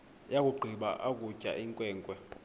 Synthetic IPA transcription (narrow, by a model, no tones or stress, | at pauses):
jak̬ʼuɡ͡ǃʱiɓa̰ʔak̬ʼucʼa̰ʔiŋkʼwɛːŋkʼwɛ